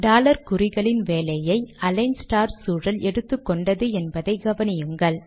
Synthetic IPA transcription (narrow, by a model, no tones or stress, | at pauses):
ɖaːlɐɾkʊɾɪɣɐɭɪnʋeːlɐjɐɪɐlɐɪnsʈaːɾsuːɾɐlʔɛɽɯt̪ːɯkːɔɳɖɐðɯɛnbɐðɐɪɡɐʋɐnɪjɯŋɡɐɭ